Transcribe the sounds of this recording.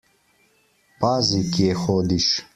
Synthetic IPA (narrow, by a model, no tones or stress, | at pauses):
paːzikexoːd̪iɕ